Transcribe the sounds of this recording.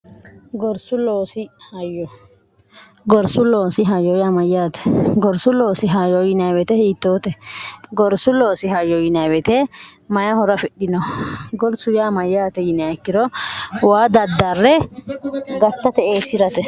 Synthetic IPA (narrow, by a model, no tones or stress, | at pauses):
ɡɔɾsʊloːsɪhɐjːɔ | ɡɔɾsʊloːsɪɦɐjɔjaːmɐjːaːt̪ɛ̥ɡɔɾsʊloːsɪɦɐjɔjɪnɐjbɛt̪ɛhiːt̪ːoːt̪ɛɡɔɾsʊlo̞ːsɪɦɐjːɔjɪnɐjbɛt̪ɛmɐjɐhɔɾɐfɪɗɪnɔɡɔɾsʊjaːmɐjːaːt̪ɛjɪnɐkːɪɾɔwaːd̪ɐd̪ːɐrːɛ | ɡɐt̪ːɐt̪ɛeːsɪɾɐt̪ɛ